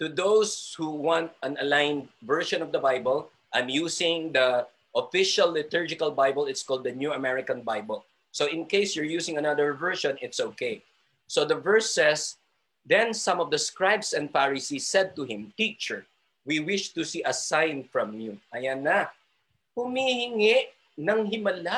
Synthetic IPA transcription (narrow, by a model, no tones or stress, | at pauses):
t̪ud̪owshuwɑ̃nt̪̚ɐ̃nɐlãɪnvɛɹʃɔ̃nɔvd̪ɐbaɪbəl | ʔãɪ̃mjusɪ̃ŋd̪ɐ | ʔɔfɪʃɐlːɪt̪ʊɹd͡ʒɪkɐlbaɪbəlɪt̪skɔlˠd̪ɐnjuɐmɛɹɪkɐ̃nbaɪbəlˠ | soɪ̃nkeɪsjɔɹjusɪ̃ŋɐnaðəɹvɛɹʃɔ̃nɪt̪soʊkeɪ | sod̪ɐvɛɹsɛs | d̪ɛ̃nsɐ̃mɔvd̪ɐskɹaɪbsɛ̃nd̪faɹɪsisːɛd̪̚t̪ʊhɪ̃mt̪it͡ʃə˞ | wiwɪʃt̪ʊsiʔɐsãɪnfɹɐ̃mjuʔɐjanːɐ | hʊmihɪŋɪʔ | nɐŋhɪmɐla